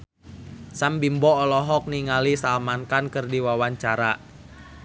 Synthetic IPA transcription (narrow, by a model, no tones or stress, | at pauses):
sambimbɔːlɔɦɔk̚niŋalisalmankankɨrdiwawaɲt͡ʃaɾa